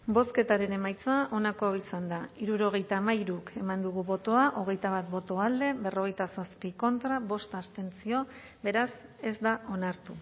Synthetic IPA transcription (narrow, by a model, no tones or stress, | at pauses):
bo̞ske̞t̪aɾe̞ne̞majt͡saʔo̞nakoisand̪aiɾuɾo̞ɣ̞e̞jt̪aːmaiɾuke̞mand̪uɣuβo̞t̪o̞aʔo̞ɣ̞e̞jt̪aβat̪̚bo̞t̪o̞ald̪e̞βe̞ro̞ɣ̞e̞jt̪aso̞spiko̞nt̪ɾaβo̞st̪ast̪e̞nt͡sio̞ | be̞ɾase̞zd̪aʔo̞naɾt̪u